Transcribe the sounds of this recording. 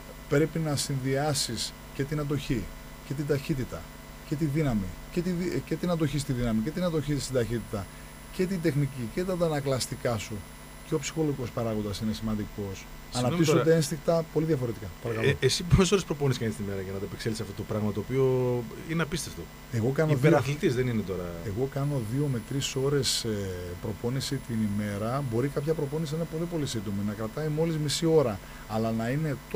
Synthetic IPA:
pɾe̞pinɐsinðiɐsis | ce̞t̪inɐd̪o̞çi | ce̞t̪id̪ɐçit̪it̪ɐ | ce̞t̪iðinɐmicet̪iice̞t̪inɐd̪o̞çist̪iðinɐmice̞t̪inɐt̪o̞çit̪st̪id̪ɐçit̪it̪ɐ | ce̞t̪ind̪e̞xnicice̞t̪ɐt̪ɐnɐklɐst̪ikɐsu | ceo̞psi̥xo̞loʝiko̞spɐɾɐɣond̪ɐsine̞simɐnd̪iko̞s | ɐnɐtisot̪eenst̪ikt̪ɐpo̞liðʝɐfo̞ɾe̞t̪ikɐpɐɾɐkɐloesiposeso̞ɾespɾo̞ponisikɐnist̪inime̞ɾɐʝɐnɐt̪ɐepekselisɐft̪ot̪opɾɐɣmɐt̪oːpio̞ineɐpist̪e̞ft̪o | e̞ɣo̞kɐnoðeɾɐθlit̪izðeninet̪o̞ɾɐeɣo̞kɐno̞ðio̞me̞t̪ɾiso̞ɾe̞sepɾo̞po̞nisit̪inime̞ɾɐbo̞ɾikɐpçɐpɾo̞po̞nisininepo̞lipo̞lisid̪ominɐkɾɐt̪ɐimo̞lizmisio̞ɾɐː | lɐnɐine̞t̪

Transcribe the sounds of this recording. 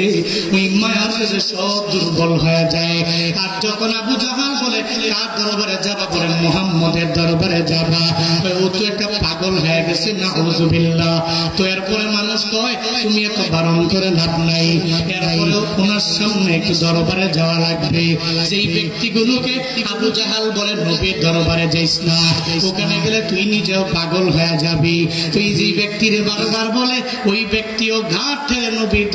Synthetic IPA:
imaasezesɔb̚d̪uɾbɔlɦɔjad͡ʒaekaɾd͡ʒɔkɔnabud͡ʒaɦabɔle | t̪aɾd̪ɔɾɔbaɾed͡ʒad̪abɔɾemɔɦamːɔd̪eɾd̪ɔɾbaɾed͡ʒabat̪ɔjot̪oɛk̚ʈapaɡɔlɦɔjaɡesinaɦozubilːa | t̪oɛɾpɔɾemanuskɔɦ | t̪umiɛkɔbaɾɔnkʰɔɾelabnajeɾɔonaɾsɔmneek̚kud̪ɔɾɔbaɾed͡ʒaoalaɡbe | d͡ʒejbek̚t̪iɡuluke | abud͡ʒaɦalbɔlenobeɾd̪ɔɾɔbaɾed͡ʒajsnakokaneɡelet̪uijnid͡ʒeʊpaɡɔlɦɔjad͡ʒabet̪ujd͡ʒejbek̚t̪iɾebaɾbaɾbɔle | ojbek̚t̪ioɡʱãʈʰeenobi

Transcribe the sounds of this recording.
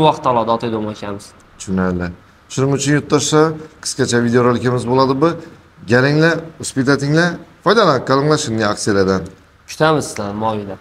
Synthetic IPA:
wɒqt̪ʰːalˠɒd̪aːt̪ʰajd̪omɒʃamɪz̥ | ʃʰʊnalɪ | ʃʊnɪŋʊt͡ʃʰʊnjʊt̪ʰːɒʃlaqʰɨ̥skʲat͡ʃʰavid̪eoɾolkʲɪmɪzbolˠad̪ɪbʊ | ɡʲalɪŋlaʊspit̪ʰat̪ʰɪŋlafɒjd̪alakʲʰalˠɨŋlˠaʃɪnɪakʲselad̪an | kʰʊ̥t̪ʰamɪzzlanmɒjid̪a

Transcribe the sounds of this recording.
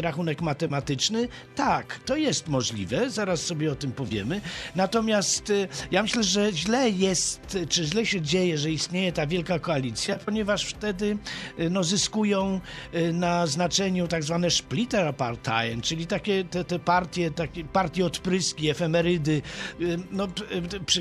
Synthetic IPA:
ɾaxunɛkmat̪ɛmat̪ɘt͡ʂnɘ | t̪akt̪ɔjɛst̪mɔʐlʲḭvɛzaɾasːɔbʲjɛɔt̪ɘmpɔvʲjɛ̰mɘnat̪ɔmʲjast̪jamɘɕlɛʐɛʑlɛjɛst̪t͡ʂɘʑlɛɕɛd͡ʑejɛʐɛist̪ɲejɛt̪avʲjɛlkakɔalʲit̪sʲjapɔɲɛvaʂft̪ɛd̪ɘnɔzɘskujɔ̃w̃naznat͡ʂɛɲut̪aɡzvanɛʂplʲit̪ɛɾapaɾt̪a̰jɛnt͡ʂɘlʲit̪akʲɛt̪ɛt̪ɛpaɾt̪ʲjɛt̪akʲɛpaɾt̪ʲjɛɔt̪pɾɘskʲiɛfɛmɛɾɘd̪ɘ | nɔpʂ

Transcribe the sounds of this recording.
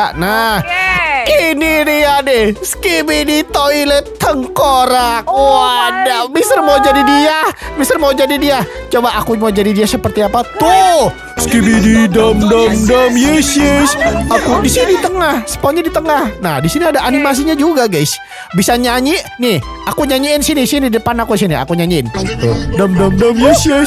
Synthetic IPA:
anah | ininiadɪhskibidit̪oilɛt̪ːəŋkoɾakwadabisərmaud͡ʒadidiahbisərmawd͡ʒadidiah | t͡ʃobaʔakumawd͡ʒadidiahsəpərt̪iapat̪o | skibididamdamdamjesesakudisinit̪əŋahsə̥pɔɲadit̪əŋahnahdisiniadaʔanimas̬iɲad͡ʒuɡaɡajs | bisaɲaɲinih | akuɲaɲiɪnsinisinidəpanakudisinia̰kuɲaɲiɪnt̪ʊdamdamdamjɛsjɛs

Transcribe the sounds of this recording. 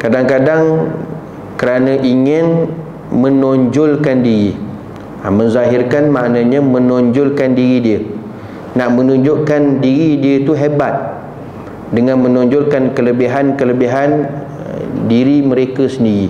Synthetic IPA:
kadaŋkadaŋ | kəɾanə̃ʔiŋɪn | mə̃nɔɲd͡ʒʊlkandiɾi | amə̃nzaɦɪrkanmaʔnãɲãmə̃nɔɲd͡ʒʊlkandiɾidiə | naʔmə̃nũɲd͡ʒʊʔkandiɾidiət̪uɦebat̪̚ | dəŋãnmə̃nɔ̃ɲd͡ʒʊlkankələbiɦankələbiɦan | diɾiməɾekəsəndiɾi

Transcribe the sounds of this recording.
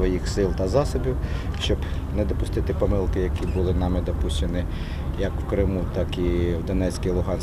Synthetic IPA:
ʋɔjixsɪlˠt̪ɐzɑsɔbʲiwʃt͡ʃɔb | nɛd̪ɔpʊst̪ɪt̪ɪpɔmɪlˠkɪjɐkʲibʊlˠɪnɑmɪd̪ɔpuʃʲt͡ʃenɪ | jɐkwkɾɪmut̪ɑkiwd̪ɔnɛt͡sʲkijlˠʊɦɑns

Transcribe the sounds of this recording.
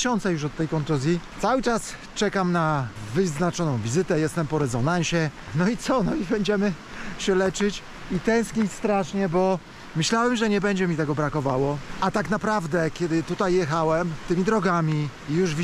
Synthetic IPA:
ɕɔnt̪sɛjuʂ̬ɔt̪ːɛjkɔnt̪uzʲjit̪sawɘt͡ʂas | t͡ʂɛkamnavɘznat͡ʂɔnɔ̃w̃vʲizɘt̪ɛjɛst̪ɛmpɔɾɛzɔnañɕɛnɔit̪sɔnɔibɛɲd͡ʑɛmɘ | ɕɛlɛt͡ʂɘt͡ɕ | it̪ɛ̃w̃skʲist̪ɾaʂɲɛbɔ | mɘɕlawɛmʐɛɲɛbɛɲd͡ʑɛmʲit̪ɛɡɔbɾakɔvawɔat̪aknapɾavd̪ɛkʲɛd̪ɘt̪ut̪ajːɛxawɛmt̪ɘmʲid̪ɾɔɡamʲi | ijuʐvʲ

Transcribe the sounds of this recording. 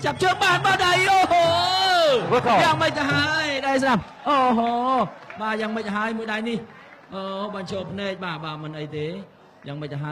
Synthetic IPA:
t͡ɕap̚t͡ɕʰəːŋɓaːnɓaːɗəjʔɔːɦo | kʰojaːŋməc̚t̪aɦaəjɗaɛjs̬ɗap̚ | ʔɔːɦoːɓaːjaːŋməc̚ʔəɦaəjmuəjɗajnih | ʔɔːɓaːnt͡ɕʰoːpʰnɛːk̚ɓaːɓaːmɨnʔəjt̪eː | jaːŋməc̚t̪aɦa

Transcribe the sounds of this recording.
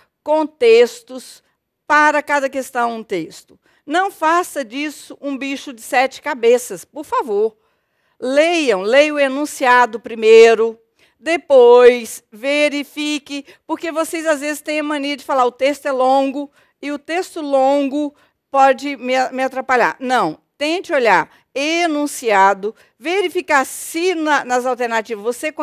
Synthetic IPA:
kõt̪est̪ʊs | paɾɐkad̪ɐkest̪ɐ̃w̪̃ũt̪est̪ʊ̥ | nɐ̃w̃fasɐd͡ʒisʊʔũbiʃʊd͡ʒɪsɛt͡ʃɪ̥kabesɐspoɾfavoɾ | lejɐ̃w̃lejʊenũsiad̪ʊpɾimejɾʊ | d̪epojsveɾifikɪ | poɾkevosejzazvezɪst̪ẽj̃ɐ̃mɐ̃neɾɐd͡ʒɪfalaɾʊt̪est̪ʊɛlõɡʊ | ɪʊt̪est̪ʊlõɡʊ | pɔd͡ʒɪmɪmɪat̪ɾapaʎa̰ɾnɐ̃w̃t̪ẽt͡ʃɪoʎaɾ | enũsiad̪ʊ | veɾifikasɪnɐnɐzawt̪eɾnat͡ʃivɐzvosekõ

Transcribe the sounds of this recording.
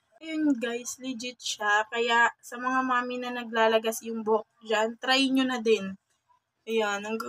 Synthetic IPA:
jʊŋɡajslɪd͡ʒɪt̪̚ʃakɐjaʔsɐmɐŋamaːmɪnɐnɐɡ̚laːlɐɡasjʊŋbok̚d͡ʒant̪ɾajɲonɐd̪ɛn | ʔɐjanɐŋɡ

